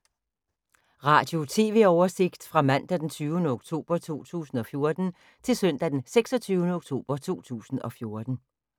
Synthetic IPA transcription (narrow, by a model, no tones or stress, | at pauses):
ʁɑ̈ːd̥jo̝t͡sʰe̝̰ːʋe̝ɒʊɐse̝ɡ̥d̥fʁɑ̈mæn̰d̥æd̥ent͡sʰyːʊənəoɡ̥t͡sʰo̝̰ːb̥ɐt͡sʰo̝̰ːt͡sʰṵːsn̩ɒ̽fjo̝ɐd̥n̩ | t͡sʰe̝lsœn̰d̥æd̥enseɡ̥sɒ̽t͡sʰyːʊnəoɡ̥t͡sʰo̝̰ːb̥ɐt͡sʰo̝̰ːt͡sʰṵːsn̩ɒ̽fjo̝ɐd̥n̩